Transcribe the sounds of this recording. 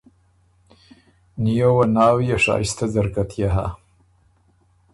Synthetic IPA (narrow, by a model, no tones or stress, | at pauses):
nijowanɑːwijaʂɑ̰ːist̪azaɾkat̪ʰjaɦa̰